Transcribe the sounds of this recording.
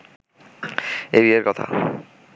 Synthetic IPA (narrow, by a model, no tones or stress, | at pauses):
eβieɾkɔt̪ʰa̰